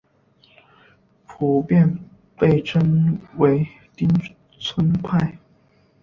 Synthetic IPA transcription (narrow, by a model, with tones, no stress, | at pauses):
pʰu˨˥pjɛ˥˧˨n | pe˥˩ɪʈ͡ʂʰə˥nwe˧˥ɪ | t̪i˥ŋ | t͡sʰwə˥npʰa˥˩ɪ